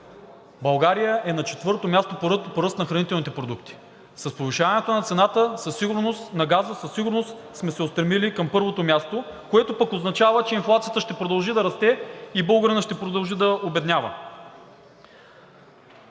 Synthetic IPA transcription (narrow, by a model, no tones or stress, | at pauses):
bɐlˠɡaɾijəʔɛnɐt͡ʃɛt̪vɤɾt̪omjast̪opoɾpoɾɤst̪nɐxɾɐnit̪ɛlˠnit̪ɛpɾod̪ukt̪i̥ | sɐspoviʃavɐnɛt̪onɐt̪sɛnat̪əsɐsːiɡʊɾnost̪nɐɡazəsəsːiɡʊɾnost̪ | smɛsɛotst̪ɾɛmilikɐmpɤɾvot̪omʲjast̪o | koɛt̪opəkoznɐt͡ʃavət͡ʃɛinflˠat̪sijət̪əʃt̪ɛpɾod̪ɐlˠʒid̪ɐɾɐst̪ɛibɤlˠɡɾənəʃt̪ɛpɾod̪ɐlˠʒid̪ɐobɛd̪nʲjavə̰